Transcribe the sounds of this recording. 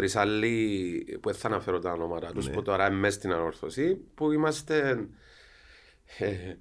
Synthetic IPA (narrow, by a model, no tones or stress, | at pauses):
ɾisɐlːipueθːɐnɐfeɾont̪ɐnomɐt̪ɐt̪usput̪oɾɐemːest̪inɐno̞ɾθosipuimɐst̪e